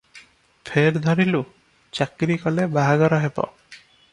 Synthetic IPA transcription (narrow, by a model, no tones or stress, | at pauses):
pʰeɾd̪ʱɔɾilu | t͡ʃakɾikɔlebaɦaɡɔɾɔɦepɔ̰